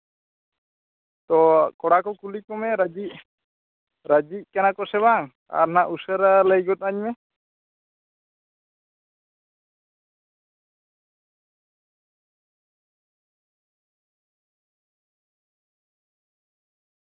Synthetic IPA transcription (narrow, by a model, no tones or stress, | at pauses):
t̪ɔkɔɽakɔkulikɔmɛɾad͡ʒiʔ̚ | ɾad͡ʒic̚kɛnakɔsɛbaŋ | a̰ɾnaʔusəɾaləjɡɔt̪̚ˀaɲmɛ